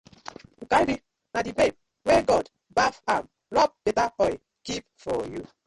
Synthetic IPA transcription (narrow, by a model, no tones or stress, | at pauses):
ŋ̩kaɾi | nadibeb̚ | weɡɔd | bafam | ɾɔp̚betaɔ | kip̚fɔju